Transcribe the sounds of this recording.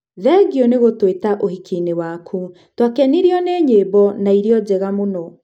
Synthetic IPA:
ðɛɡiɔneɣotwetaʔohikinewakʰu | twakɛniɾijɔneɲeːbɔnaiɾiɔd͡ʑɛɣamonɔ

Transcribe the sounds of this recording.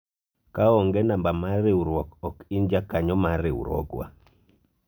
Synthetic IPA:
kaɔŋɡɛnambamaɾɪuɾwɔkɔkind͡ʒakaɲɔmaɾɪ̰wṵɾɔ̰ɡwa̰

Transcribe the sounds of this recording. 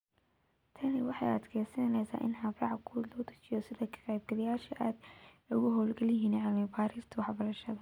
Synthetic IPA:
t̪ʰɐnɪwɑħɑ̰jɐ̰d̪kʰɛːsɐnnɛjsa̰ːʔɪ̰nhɐbrɑʕkʰulɔːt̪ʰɐ̥t͡ʃɪjɔsɪðɐkʰɐ̥qɛjb̚ɡɐlɐjaːʃɐʔaːd̪ | ʊɣʊɦɔːlɡɐlɪɦiːnʕɑmɛbaːɾiːrt̪ʰɐwɑħbɐɾɐʃɐðɐ

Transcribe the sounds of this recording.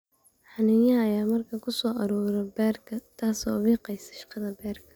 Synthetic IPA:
ħɑnɪjɐɐjaːmɐrkʰɐkʰʊsɔːʔɐɾɔːɾɔbɛːrkʰɐt̪ʰaːsɔ̰ːβiːqɛjsɐ̥ʃɑ̥qɑðɐbɛːrkʰɐ̥

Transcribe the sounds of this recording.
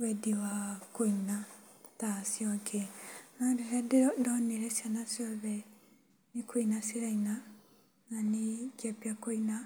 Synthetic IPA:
wɛdiwakoinatasjɔkʰenadeɦɛdeɔdɔneɾɛsjanasɔβɛ | nikoinasiɾaina | nanikapjakoina

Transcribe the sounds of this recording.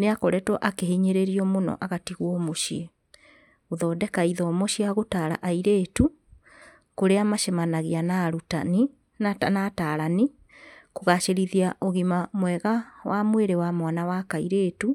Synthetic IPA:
neakɔɾɛtwɔʔakeɦeɲeɾeɾiɔmonɔ̰ʔaɣatiɣwɔmoʃie | oðɔːdɛkaiðɔmoɕiaɣotaɾa̰ʔaiɾeːtu | koɾeamaʃɛmanaɣianaɾutani | nataɾani | koɣaʃeɾiðiaʔoɣimamwɛɣawʔamweɾewamwanawakaiɾeːtu

